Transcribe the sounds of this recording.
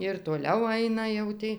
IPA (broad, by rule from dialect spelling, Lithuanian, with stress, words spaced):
ɪr toːˈlʲɛʊ ˈɐɪnɐ jɛʊ ˈtʲiː